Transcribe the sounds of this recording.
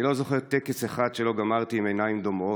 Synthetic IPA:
ilo̞zo̞χeʁt̪ekesaχad̪ʃelo̞ɡamaʁt̪iːmenajimd̪o̞mo̞

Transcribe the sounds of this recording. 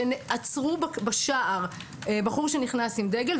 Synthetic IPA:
enʔat͡sʁubbaʃaʔaʁ | ebaχuʁʃeniχnasimd̪eɡel

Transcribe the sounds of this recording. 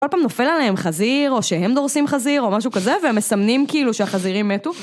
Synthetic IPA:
olpaːmno̞fe̞laleɦemχaziʁo̞ʃeɦe̞md̪o̞ʁsimχaziʁo̞maʃukazeveme̞samnimkiiluʃeaχaziʁimːetu

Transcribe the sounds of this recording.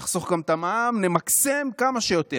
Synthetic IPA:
χsoχɡamt̪amamnemakse̞mkamaʃejo̞t̪e

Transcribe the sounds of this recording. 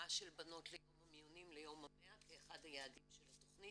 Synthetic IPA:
aʃelbano̞tlejo̞mhamijonimlejo̞mameakeːχadhajaːdimʃelhatoχni

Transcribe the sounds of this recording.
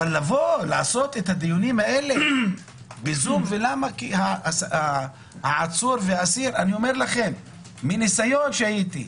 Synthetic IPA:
aalːavo̞laʕaso̞t̪et̪had̪ijunimhae̞le | bezumvelamakihasa | haʕat͡suɾveaasiɾanio̞me̞ɾlaχe̞mː | inisajo̞nʃehajit̪i

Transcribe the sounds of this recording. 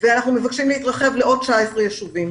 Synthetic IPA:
veanaχnume̞vakʃimleit̪ʁaχe̞vleo̞d̚t͡ʃaesʁejeʃuvim

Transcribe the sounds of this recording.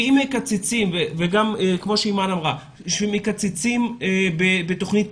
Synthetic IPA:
imhekat͡sit͡simveveɡamkmo̞ʃeimanamʁa | ʃemekat͡sit͡simbebetoχnit

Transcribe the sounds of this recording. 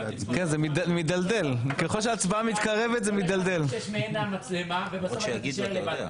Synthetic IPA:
kenzemidmid̪ald̪elkeχo̞lʃ̬eat͡sbaamit̪kaʁe̞vet̪zemid̪ald̪elʃmeenammat͡slemavebaʃejaɡid̪a

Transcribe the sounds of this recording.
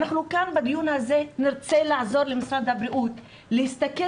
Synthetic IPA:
naχnukanbad̪ijunhazenɪɾt͡selaʕzoɾlemisɾad̪habɾiʔut̪ | lehist̪ake

